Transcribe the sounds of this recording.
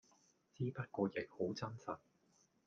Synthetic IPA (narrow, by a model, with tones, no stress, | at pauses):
t͡siː˥pɐ˥t̚kɔː˧jɪ˨k̚ho˨˥wt͡sɐ˥nsɐ˨t̚